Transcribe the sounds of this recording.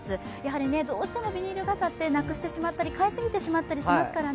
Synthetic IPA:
sɨ | jaɦaɾʲine̞d̪o̞ːɕi̥t̪e̞mo̞bʲiɲ̟iɾɯ̟ɡasat̪ːe̞nakɯ̟ɕi̥t̪e̞ɕimat̪ːaɾʲikaisɨɡʲit̪e̞ɕimat̪ːaɾʲiɕimasɨ̥kaɾa

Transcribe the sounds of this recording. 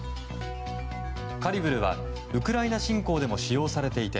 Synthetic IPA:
kaɾʲibɯ̟ɾɯ̟βa̰ | ɯ̟kɯ̟ɾainaɕĩŋko̞ːd̪e̞mo̞ɕijo̞ːsaɾe̞t̪e̞it̪e̞

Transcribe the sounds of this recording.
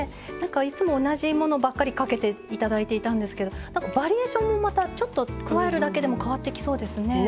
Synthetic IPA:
nãŋkait͡sɨmo̞ːnaʑimo̞no̞bakːaɾʲikake̞t̪e̞it̪ad̪ait̪e̞it̪ãnd̪e̞sɨ̥ke̞d̪o̞nãŋkabaɾʲieːɕõ̞mːo̞mat̪at͡ɕo̞t̪ːo̞kɯ̟βaeɾɯ̟d̪ake̞d̪e̞mo̞kaβat̪ːe̞kʲi̥so̞ːd̪e̞sɨne̞

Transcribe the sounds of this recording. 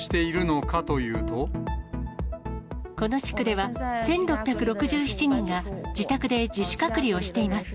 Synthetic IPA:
i̥t̪e̞iɾɯ̟no̞kat̪o̞jɯ̟ːt̪o̞ | ko̞no̞ɕi̥kɯ̟d̪e̞βasẽ̞nɾo̞pʲːjakɯ̟ɾo̞kɯ̟ʑɨːçi̥t͡ɕiɲ̟ĩŋɡad͡ʑit̪akɯ̟d̪e̞d͡ʑiɕɨ̥kakɯ̟ɾʲio̞ɕi̥t̪e̞imasɨ̥

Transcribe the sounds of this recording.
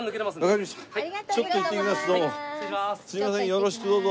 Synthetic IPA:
nɯket̪emasβakaɾʲimaɕtaat͡ɕot̪ːoit̪ːekʲimasd̪oossɨimasẽjoɾoɕi̥kɯd̪oːzo

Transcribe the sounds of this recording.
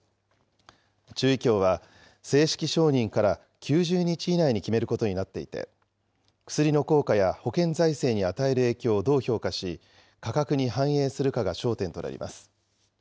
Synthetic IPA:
t͡ɕɨːikʲo̞ːβ̞a | se̞ːɕi̥kʲiɕo̞ːɲ̟ĩŋkaɾa | kʲɨːʑɨːɲ̟it͡ɕiːnaiɲ̟ikʲime̞ɾɯ̟ko̞t̪o̞ɲinat̪ːe̞ḭt̪e̞̰ | kɯ̟̥sɨɾʲino̞ko̞ːkajaho̞kẽ̞nzaise̞ːɲ̟iat̪ae̞ɾɯ̟e̞ːkʲo̞ːd̪o̞ːço̞ːkaɕi | kakakɯ̟ɲ̟iɦãɰ̃e̞ːsɨɾɯ̟kaɡaɕo̞ːt̪ẽ̞nt̪o̞na̰ɾʲḭmʔa̰sɨ̥

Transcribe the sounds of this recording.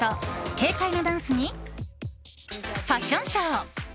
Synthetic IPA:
oke̞ːk̪ainod̪ãɰ̃sɨɲ̟i | ɸaɕõɰ̃ɕoː

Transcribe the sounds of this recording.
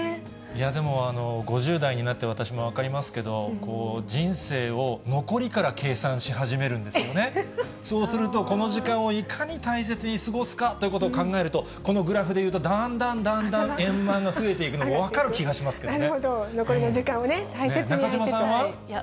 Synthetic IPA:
ijad̪e̞mo̞ano̞ɡo̞ʑɨːd̪aiɲ̟inat̪ːe̞βat̪aɕimo̞β̞akaɾʲimasɨ̥ke̞d̪o̞ko̞ːd͡ʑĩɰ̃se̞ːo̞no̞ko̞ɾʲikaɾakʰe̞ːsãɰ̃ɕiɦaʑime̞ɾɯ̟̃nd̪e̞sɨjo̞ne̞ | so̞ːsɨɾɯ̟t̪o̞ko̞no̞ʑikãɰ̃o̞ikʰaɲ̟it̪ais̬e̞t͡sɨɲ̟isɨɡo̞sɨ̥kat̪ːo̞jɯ̟kot̪oːkãŋɡae̞ɾɯ̟t̪o̞ | ko̞no̞ɡɯ̟ɾaɸɯ̟d̪e̞jɯːt̪̬o̞d̪ãnd̪ãnd̪ãnd̪ãɰ̃ẽ̞mːãŋɡaɸɯ̟e̞t̪e̞ikɯ̟nomoβakaɾɯ̟kʲiɡaɕimasɨ̥k̪eod̪onokoɾioikãonenenakaʑimasãβa

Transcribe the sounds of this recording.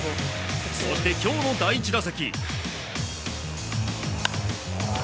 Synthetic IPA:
sond̪e̞kʲo̞ːno̞d̪ait͡ɕiɾasakʲi

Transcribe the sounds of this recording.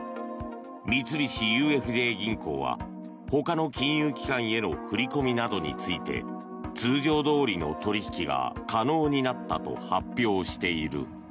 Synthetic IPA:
mʲit͡sɨbʲiɕijɯ̟ːe̞ɸɯ̟ʑe̞ːɡʲĩŋko̞̰ːβa̰ | ho̞kano̞kʲĩɰ̃jɯːkʲi̥kãɰ̃e̞no̞ɸɯ̟ɾʲiko̞mʲinad̪o̞ɲ̟ḭt͡sɨit̪e̞̰ | t͡sɨːʑo̞ːd̪o̞ːɾʲino̞̰t̪o̞ɾʲiçi̥kʲiɡa̰kano̞ːɲ̟inat̪ːa̰t̪o̞̰hapʲːjo̞ːɕi̥t̪e̞iɾɯ̟̰

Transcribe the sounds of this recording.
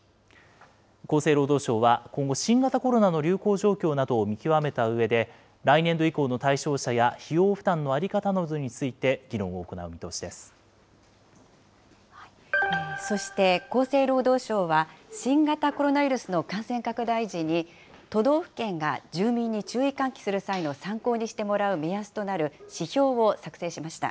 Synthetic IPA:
ko̞ːseːɾo̞ːd̪o̞ːɕo̞ːβakõŋɡo̞ɕĩŋɡat̪ako̞ɾo̞nano̞ɾʲɨːko̞ːʑo̞ːkʲo̞ːnad̪o̞ːmʲikʲiβame̞t̪aɯ̟βe̞d̪e̞ | ɾainẽ̞nd̪o̞iko̞ːno̞t̪aiɕo̞ːɕajaçijo̞ːɸɯ̟̥d̪ãnːo̞aɾʲikat̪anoɯzɨɲ̟it͡sɨit̪e̞ɡʲiɾõ̞ɰ̃o̞ːko̞na̰ɯ̟mit̪o̞ːɕid̪e̞sɨ̥ | so̞ɕi̥t̪e̞ko̞ːse̞ːɾo̞ːd̪o̞ːɕo̞ːβaɕĩŋɡat̪ako̞ɾo̞naβʲiɾɯ̟sɨno̞kãɰ̃sẽ̞ŋkakɯ̟d̪aiʑiɲ̟i | t̪o̞d̪o̞ːɸɯ̥kẽ̞ŋɡad͡ʑɨːmʲĩɲ̟ːit͡ɕɨːikãŋkʲi̥sɨɾɯ̟saino̞sãŋko̞ːɲ̟iɕi̥t̪e̞mo̞ɾaɯ̟me̞jasɨ̥t̪o̞naɾɯ̟ɕiçʲo̞ːβo̞sakɯ̟̥se̞ːɕimaɕi̥t̪a̰

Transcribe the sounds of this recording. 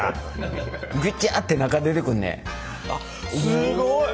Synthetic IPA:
ɡʲut͡ɕːiʔat̪ːenakad̪et̪ekɯnːḛ

